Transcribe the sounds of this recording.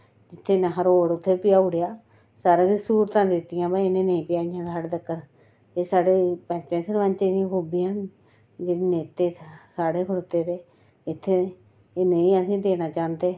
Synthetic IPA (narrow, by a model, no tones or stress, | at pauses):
d͡ʒɪt̪ʰːeːneɦəɾoːɽʊt̪ʰːeːpɪjaːʊɽejaː | saːɾaːsisuːɾt̪ãːd̪ɪt̪ːɪjãːbaɪnẽːnəĩːpɪjaːɪjãːɖaɽd̪əkːəɾ | eːsaːɽeːpɛ̃ːt͡ʃẽːsəɾʋaːnt͡ʃẽːd̪ijãːkoːbiːən | d͡ʒeːɽineːt̪ːeːsaːɽeːkʰʊɽt̪eːd̪eː | ɪt̪ʰːeː | neĩːəsĩːd̪eːnaːt͡ʃãːnd̪eː